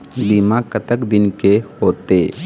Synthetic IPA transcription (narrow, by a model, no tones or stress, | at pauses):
b̪imãkət̪əkd̪ɪnkehoːt̪eː